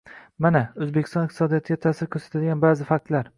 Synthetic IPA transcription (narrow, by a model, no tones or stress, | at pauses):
manaɵzbekʲɪ̥st̪ɒnɪqt̪ɪsɒd̪ijɒt̪ʰɪɡʲat̪ʰaːsɪɾkʰʲɵɾsḁt̪ʰad̪ɪɡʲanbaːzɪfak̚t̪laɾ